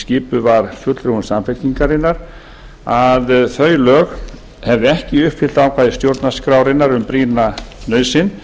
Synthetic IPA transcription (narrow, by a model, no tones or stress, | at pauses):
scɪːpʏvaɾ̥fʏt̪lɾuhʏnsamfɛk̪iŋkaɾɪnːaɾ̥ | aðθœːɥlœːɣ | hɛvðʏɛhcɪʏhpfɪl̥t̪aːwkʰajðɪst̪jowɾt̪naskɾawɾɪnːaɾʏmpɾiːnanœːɥsɪn